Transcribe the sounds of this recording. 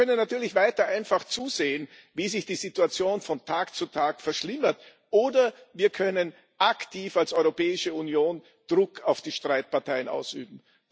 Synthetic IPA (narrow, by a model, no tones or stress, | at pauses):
œnənːatyːɐlɪçv̥aɪtɐʔaɪnfaχt͡suːzeːən | viːzɪçd̥iːzituat͡sjoːnfɔntʰaːkt͡sutʰaːkfɛɐʃlɪmɐt | ʔoːdɐviːɐkʰœnən | ʔaktʰiːfalsɔʏʁopɛːɪʃəunjoːn | d̥ʁʊkʰaʊfd̥iːʃtʁ̥aɪt̚paɐtʰaɪənʔa̰ʊsy̰ːbm̩